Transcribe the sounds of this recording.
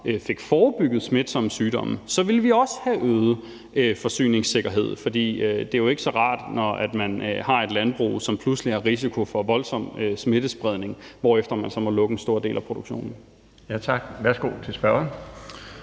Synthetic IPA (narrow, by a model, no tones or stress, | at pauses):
øfe̝ɡ̥fɒːb̥yɡ̥ð̞̩ˠsme̝d̥sɒ̽msyːd̥ɒ̽məsɒ̽ʋe̝lʋiɒ̽sə̥hæʔøːð̩ˠ | øfɒ̽sy̰ːne̝ŋse̝ɡ̥ɐɦe̝ð̰ˠfɒ̽d̥ḭːød̥e̝æjo̝e̝ɡ̥sɒ̽ʁɑ̈ːd̥nɒæd̥mænhɑ̈e̝d̥lænb̥ʁṵːsɒ̽mpʰlusliæʁis̬ikʰo̝fɒ̽ʋɒ̽lsɒ̽m̰øsme̝d̥əsb̥ʁɛðˠne̝ŋʋɒ̰ːefd̥ɐmænsɒ̽mɒ̽lɔ̽ɡ̥n̩sd̥o̝ɐ̰d̥e̝̰ːlʔæpʰʁo̝d̥oɡ̥ɕo̝̰ːnn̩ | jæt͡sʰɑ̈ɡ̥ʋæɐsɡ̥o̝̰ːt͡sʰe̝lsb̥ɶɐn